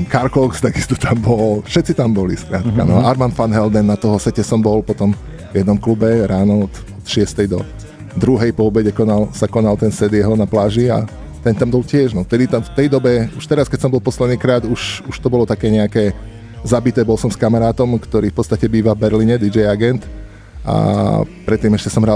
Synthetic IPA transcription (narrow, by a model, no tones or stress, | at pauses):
kaɾkɔkst̪aɡist̪ɔ̥t̪ʰambɔlfʃɛt̪t͡sit̪ambɔliskɾaːt̪ka̰nɔ̰aɾmanfanɦɛld̪ɛnːat̪ɔɦɔsɛcɛsɔmbɔlpɔt̪ɔm | vjɛd̪nɔmklubɛɾaːnɔɔt̪ | ɔt̪ʃɪɛst̪ɛjd̪ɔ | d̪ɾuɦɛjpɔɔbɛɟɛkɔnalsakɔnalt̪ɛnsɛd̪jɛɦɔnaplaːʒia̰ | t̪ɛnt̪ambɔlcɪɛʒnɔft̪ɛd̪it̪aft̪ɛjd̪ɔbɛuʃt̪ɛɾaskɛc̚sɔmbɔlpɔslɛd̪niːkɾaːd̪uʃuʃt̪ɔbɔlɔt̪akɛːɲɛakɛː | zabit̪ɛːbɔlsɔmskamaɾaːt̪ɔmkt̪ɔɾiːfpɔtt͡sst̪acɛbiːʋavbɛɾliɲɛd̪id͡ʒɛjaɡɛnt̪ | a̰pɾɛt̪ːiːmɛʃcɛsɔmɦɾa